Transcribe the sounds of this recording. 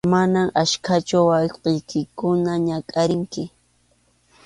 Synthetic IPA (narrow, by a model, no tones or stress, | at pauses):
manaŋaʃkʰat͡ʃʊwɑwqɪjkɪkʊnaɲakʼaɾɪŋkɪ